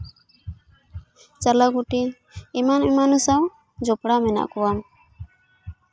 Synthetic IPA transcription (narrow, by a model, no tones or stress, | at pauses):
t͡ʃalaɡuʈiː | manimanusaw | d͡ʒɔpɽamɛna̰ʔkɔwam